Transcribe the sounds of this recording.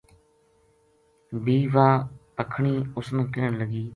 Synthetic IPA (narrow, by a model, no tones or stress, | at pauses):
bʱiːʋaːpəkʰɳiːʊsnəkəːəɳləɡiː